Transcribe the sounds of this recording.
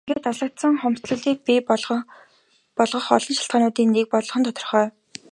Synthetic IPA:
ŋɡeːt̪aɮə̆k̚t̪sə̆ŋχɔmsɮə̆ɮiːk̚pi | pɔɮʁɞ̆χɔɮɞ̆nʃḁɬt̪̚ɢaːnʊːt̪iːnːek̚pɔɮɞ̆χɞ̆nt̪ʰɔt̪ɞ̆rχœː

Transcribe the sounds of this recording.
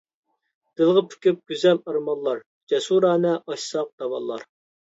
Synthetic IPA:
d̪̥ɪlˠʁəpʰy̥kʲyp̚ɡ̥ʲyzɛlɑɾmɑnllˠɑɾ | d͡ʒɛsuɾɑːnɛʔɑʃsɑq̚d̪̥ɑwɑlˠːɑɾ

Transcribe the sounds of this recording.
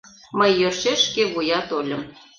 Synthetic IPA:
məjːøʃeʃkeβujɑt̪olʲə̆m

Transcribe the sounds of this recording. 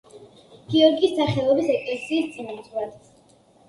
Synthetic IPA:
ɡ̥iɔɾɡiːsːaχɛlˠɔbisɛkʼlɛsiːst̪sʼinalˠad̪

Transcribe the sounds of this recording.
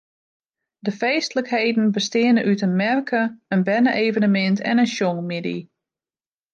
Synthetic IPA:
dəfeːstələkheːdn̩bəstɪənənʔytənmɛrkʰəənbɛnəʔeːvənəmɪntʰɛ̰nənʃjoŋmɪdḭ

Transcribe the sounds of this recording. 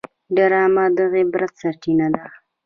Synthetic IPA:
ɖaɾɑmad̪əɣebɾat̪saɾt͡ʃinad̪a

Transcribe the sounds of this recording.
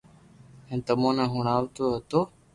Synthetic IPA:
ẽːnt̪əmõːnẽːɦʊɳaːʋt̪oːɦət̪oː

